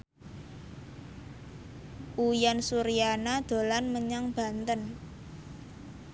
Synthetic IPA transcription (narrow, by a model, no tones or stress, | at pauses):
ʔujansuɾijanad̪̥o̤lanməɲaŋb̥a̤nt̪ən